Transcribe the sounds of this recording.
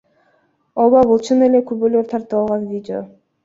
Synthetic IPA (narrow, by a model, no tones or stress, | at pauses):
oβabulˠt͡ʃʰɯnelekybøløɾt̪ʰɑɾt̪ɯβɑlˠʁɑnvʲidʲɪo̰